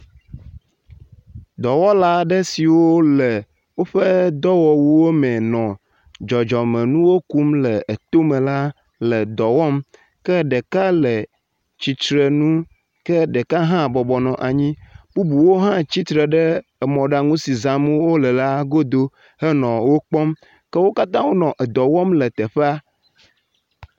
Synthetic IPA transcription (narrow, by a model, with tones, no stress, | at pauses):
d̪ɔ˨wɔ˦la˦ɖɛ˦si˨wo˦lɛ˨ | wo˦ɸɛ˦d̪ɔ˦wɔ˨wu˦wo˦mɛ̃˨nɔ̃˨ | d͡ʒɔ˨d͡ʒɔ˨mɛ̃˨nũ˦wo˦ku˦mlɛ˨e˨t̪o˦mɛ̃˨la˦ | lɛ˨d̪ɔ˨wɔ˦m | kɛ˦ɖɛ˨ka˦lɛ˨ | t͡ɕi˨t͡ʃɾe˨nũ˦ | kɛ˦ɖə˨ka˦ɦã˦˨bɔ˨bɔ˨nɔ̃˨ʔa˨ɲĩ˦b̥u˦bu˨wo˦ɦã˦t͡ɕi˦t̪ɾɛ˨ɖɛ˦ɛ˨mɔ̃˨ɖa˨ŋũ˦si˨zã˨m˦wo˦lɛ˨la˦ɡo˦d̪o˦ | hɛ˦nɔ̃˨wo˦k͡pɔ˦m | kɛ˦wo˦ka˦t̪ã˦wo˦nɔ̃˨ʔɛ˨d̪ɔ˨wɔ˦mlɛ˨t̪ɛ˨ɸɛ˦a˦